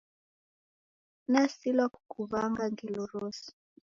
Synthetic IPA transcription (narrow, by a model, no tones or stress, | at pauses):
nasilwakukuvaŋɡaŋɡiloɾosi̥